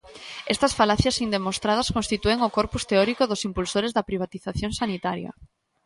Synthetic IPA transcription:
ɛst̪ɐsfalaθjɐsind̪emost̪ɾað̞ɐskõnst̪it̪ueŋokɔɾpust̪eɔɾikoðosimpulsoɾezðɐpɾiβ̞at̪iθaθjõŋsanit̪aɾjɐ̰

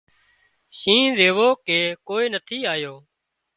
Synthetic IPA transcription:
ʃĩːzeːʋoːkeːkoːiːnət̪ʰiːaːjoː

